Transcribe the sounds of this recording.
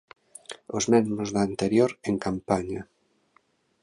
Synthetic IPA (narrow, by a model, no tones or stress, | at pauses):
ozmezmozðant̪eɾjoɾeŋkampaɲa